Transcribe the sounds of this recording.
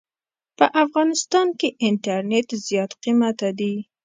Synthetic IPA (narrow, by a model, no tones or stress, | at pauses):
pəʔafɣɑnɪst̪ɑnkeʔɪnt̪aɾnet̪zjɑt̪qimat̪ad̪i